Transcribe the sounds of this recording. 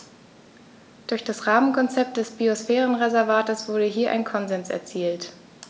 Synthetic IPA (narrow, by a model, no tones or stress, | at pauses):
d̥ʊɐçd̥asʁaːmənkʰɔnt͡sɛp̚t̚d̥ɛsb̥iosfɛːʁənʁezɛɐvaːtəsv̥ʊɐɾəɦiːɐʔa̰ɪnkʰɔnzɛnsɛ̰ɐt͡siːlt